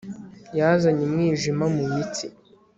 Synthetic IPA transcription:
jazaɲimŋiːʒimamujit͡si

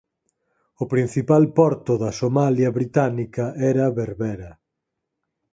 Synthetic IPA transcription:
ʊpɾin̟θipalpɔɾt̪ʊðɐsomaljɐβɾit̪anikɐʔɛɾɐβeɾβɛɾɐ

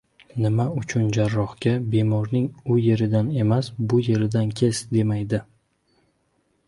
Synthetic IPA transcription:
nɪmaʊt͡ʃʰʊnd͡ʒaɾːɒhɡʲabe̞mɒɾnɪŋʊje̞ɾɪd̪ane̞masbʊje̞ɾɪd̪ankʲʰe̞sd̪e̞majd̪ɪ

